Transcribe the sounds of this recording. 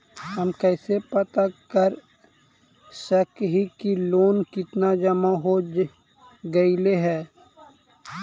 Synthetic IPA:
həmkɛːsepət̪akəɾ | səkɦikiloːnkɪt̪nad͡ʒəmaɦod͡ʒ | ɡəileɦɛː

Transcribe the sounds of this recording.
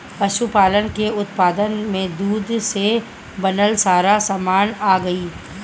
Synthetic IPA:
ɐʃupaːlənkeʊt̪paːd̪ənmẽd̪uːd̪se | bɐnəlsaːɾasaːmaːnaːɡɐiː

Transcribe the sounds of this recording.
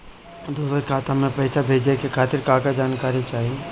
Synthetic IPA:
d̪uːsəɾkʰaːt̪amẽpɐɪsabʱeːd͡ʒekekʰaːt̪ɪɾkaːkad͡ʒaːnkaːɾit͡ʃaːɦie

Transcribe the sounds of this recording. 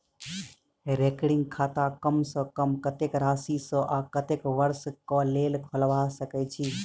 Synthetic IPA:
ɾekɽɪŋɡkʰat̪akəmsə̃kəmkət̪ekɾaːsisə̃ʔakət̪ekʋəɾskɔlelkʰəlʋasəkɛt͡ʃʰi

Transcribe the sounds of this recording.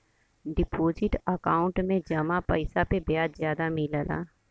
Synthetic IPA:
ɖɪpoːzɪʈəkaːʊ̃ɳʈmẽd͡ʒəmapəɪsapebjaːd̪zjaːd̪amɪləla̰ː

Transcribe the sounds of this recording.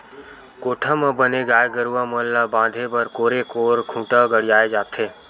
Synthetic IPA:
koːʈʰamə̃bəneɡaːjɡəɾuaməllabãːd̪ʱebəɾkoːɾekoːɾkʰũːʈaɡəɽjaːed͡ʒaːt̪ʰeː

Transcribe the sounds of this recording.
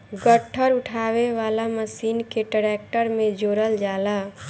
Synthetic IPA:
ɡəʈʰːəɾʊʈʰaːweʋaːlaməsiːnkeʈəɾek̚ʈəɾmẽd͡ʒoːɾəld͡ʒaːla

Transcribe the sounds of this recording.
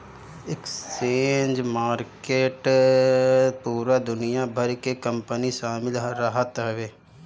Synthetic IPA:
ɪkt͡ʃeːnd͡ʒmaːɾkeːʈ | puːɾad̪ʊnɪjabʱɐɾkekə̃mpəniʃaːmɪlɾəɦət̪ɦɛʋeː

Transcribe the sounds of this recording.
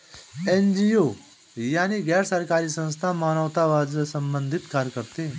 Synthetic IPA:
end͡ʒio | jaːniɡɛːɾsəɾkaɾiːsə̃nst̪ʰamañəʋt̪aʋad͡zsəmbənd̪ʱit̪kaɾkəɾt̪e

